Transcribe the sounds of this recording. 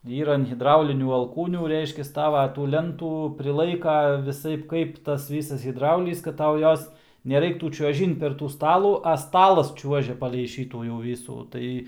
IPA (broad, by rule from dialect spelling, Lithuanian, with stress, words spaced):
ˈiːrɐ ɐn ɣʲɪdˈrɐʊlʲɪnʲuː ɐlˠˈkuːnʲuː ˈrʲɛɪʃʲkʲɛs ˈtɑːʋɐ tuː ˈlʲɛntuː pʲrʲɪˈlˠɐɪkɐ ʋʲɪˈsɐɪp ˈkɐɪp ˈtɐs ˈʋʲiːsɐs ɣʲɪdˈrɐʊlʲiːs kɐt ˈtɐʊ ˈjoːs nʲɛˈrɐɪktuː t͡ʃʲuɔˈʒʲɪnt pʲɛr ˈtuː ˈstɑːlˠuː ɐ ˈstɑːlˠɐs ˈt͡ʃʲuɔʒʲɛ pɐlʲɛɪ ˈʃʲiːtuː jɛʊ ˈʋʲiːsuː ˈtɐɪ